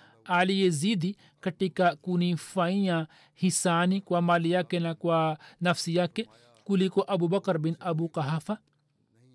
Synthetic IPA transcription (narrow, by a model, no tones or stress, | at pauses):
aːlijeziːd̪i | kɐʈːikakunifaĩjã | hisaːnikwaːmaːlijakenakwanɐfsijake | kulikoʔɐbuːbɐkɐɾbɪnɐbuqɐɦaːfa